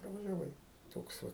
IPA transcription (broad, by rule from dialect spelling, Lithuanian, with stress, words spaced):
prɐʋɐʒʲɛˈʋɐɪ ˈtoːks ʋɐ